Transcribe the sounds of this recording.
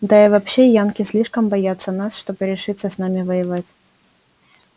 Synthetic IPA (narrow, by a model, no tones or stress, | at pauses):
d̪aɪvɐpɕːejankʲɪsʲlʲiʂkəmbɐjat̪sːənasʂt̪o̞bɨɾʲɪʂɨt̪səsnamʲɪvəjɪvatʲ